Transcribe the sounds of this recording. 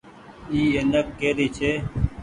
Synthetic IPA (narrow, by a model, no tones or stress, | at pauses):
iːenəkːeːɾit͡ɕʰe